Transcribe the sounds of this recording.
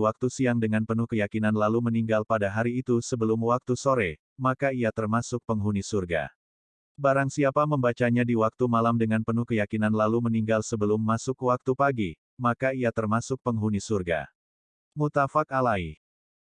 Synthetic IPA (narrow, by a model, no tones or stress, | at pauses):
wak̚t̪usiaŋdəŋanpənuhkəjakinanlaluməniŋɡalpadaɦaɾiːt̪usəbəlʊmwak̚t̪usoɾɛ | makaiat̪ərmasʊk̚pəŋɦunisurɡa̰ | baɾaŋsiapaməmbat͡ʃaɲadiwak̚t̪umalamdəŋanpənuhkəjakinanlaluməniŋɡalsəbəlʊmːasʊkwak̚t̪upaɡi | makaiat̪ərmasʊk̚pəŋɦunisurɡa̰ | mut̪afakalai